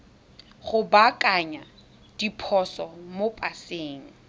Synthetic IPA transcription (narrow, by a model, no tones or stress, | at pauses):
χʊbakʼaɲa | d̥ipʰɔsɔmopʼaseːŋ̩